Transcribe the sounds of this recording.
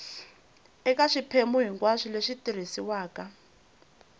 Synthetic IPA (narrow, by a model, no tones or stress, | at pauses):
ɛkaʂipʰemuɦiŋkwaʂileʂitiɾ̤isiwaːka